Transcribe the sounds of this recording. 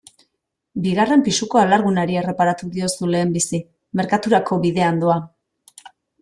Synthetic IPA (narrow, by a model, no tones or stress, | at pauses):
biɣare̞mpisuko̞alaɾɣunaɾie̞re̞paɾat̪uðio̞sule̞ːmbisi | me̞ɾkat̪uɾako̞βiðe̞and̪oa